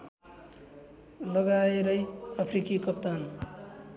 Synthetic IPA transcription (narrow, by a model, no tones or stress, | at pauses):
lʌɡaeɾʌjʌpʰrikikʌpt̪an